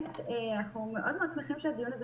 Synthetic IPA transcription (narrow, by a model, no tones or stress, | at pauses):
t̪eanaχumeʔod̪meaːt͡smeχimʃead̪ijunaz